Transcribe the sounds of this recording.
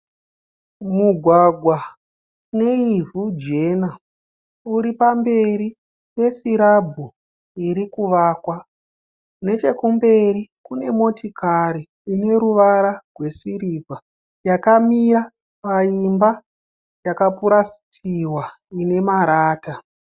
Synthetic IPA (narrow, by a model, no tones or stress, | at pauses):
muɡʱwaɡʱwa | ne̞ivʱud͡ʒe̞na | uɾipambe̞ɾi | je̞siɾabʱu | iɾikuʋaːkwa | ne̞t͡ʃe̞kumbe̞rikune̞mo̞tikʰaɾiː | ne̞ɾuʋaɾarwe̞siɾivʱa | jakamiɾa | paimba | jakapuɾasi̥tʰiwa | ine̞maɾaːta